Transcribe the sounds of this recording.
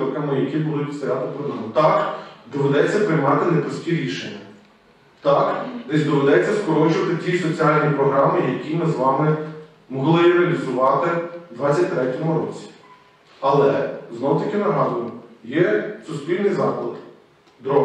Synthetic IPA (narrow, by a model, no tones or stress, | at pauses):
kɐmɪjɐkʲibʊlˠɪpʲit̪st̪ɐjʲɑt̪ɪp̪ɪnʊt̪ɑkd̪ɔʋed̪ɛt͡sʲːɐpɾɪjmɑt̪ɪnepɾɔsʲtʲiɾʲiʃenʲːɐ | t̪ɑknɛzʲd̪ɔʋed̪ɛt͡sʲːɐskɔɾɔt͡ʃʊʋɐt̪ɪtʲisɔt͡sʲiɑlʲnʲipɾɔɦɾɑmɪjɐkʲimɪzʋɑmɪ | mɔɦlˠɪɾeɐlʲizʊʋɑt̪ɪd̪ʋɑt͡sʲːɐt̚ʲt̪ɾɛtʲɔmʊɾɔ̰t͡sʲi̥ | ɐlˠɛ̰znɔwʊt̪ɐkʲɪnɐɦɑd̪ʊjʊjɛsʊspʲilʲnɪjzɑklˠɪd̪ | d̪ɾɔɦ